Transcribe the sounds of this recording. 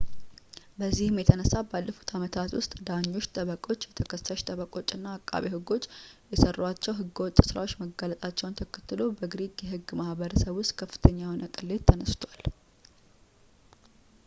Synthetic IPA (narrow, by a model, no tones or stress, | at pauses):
bəzːihɨmjɛt̪ʰənəsːabalːəfu̥t̪ʰamət̪ʰat̪wʊ̰st̪ʼd̪aɲːo̞t͡ʃːt̪ʼəβəkʼo̞t͡ʃːjɛt̪ʰəkʰəsaʃt̪ʼəβəkʼo̞t͡ʃʼːɨnːaːkʼːa̰βihɨɡo̞t͡ʃːjɛsərːwat͡ʃːɛwɦɨɡːwt̪ʼːsɨɾa̰o̞t͡ʃːməɡalət̪ʼat͡ʃːɛwnt̪ʰəkʰə̥t̪ːɨlobəɡɾiɡjɛɦɨɡmahbəɾəsəβʊst̪kʰəfːɨ̥t̪ʰəɲːawonəkʼɨlːet̪ʰːənəst̪ʰwal